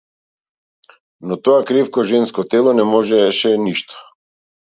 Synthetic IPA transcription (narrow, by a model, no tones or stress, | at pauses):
nɔt̪ɔakɾifkɔʒɛnskɔt̪ɛlˠɔnɛmɔʒɛʃɛniʃt̪ɔ̥